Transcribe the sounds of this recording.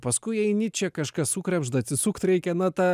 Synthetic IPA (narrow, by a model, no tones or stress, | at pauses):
pɐskʊɪɛɪnʲɪt͡ʃʲɛkɐʃkɐssuːkɾʲɛbʒd̪ɐt̪ʲsʲɪsuːkt̪ɾʲɛɪkʲɛnɐt̪ɑ